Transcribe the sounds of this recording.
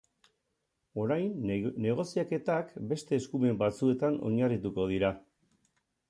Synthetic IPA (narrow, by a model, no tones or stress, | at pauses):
o̞ɾajnːe̞ɣ̞o̞siake̞t̪akbe̞st̪e̞ːskume̞mbat͡sue̞t̪anʔo̞̰ɲarit̪uko̞ð̞iɾa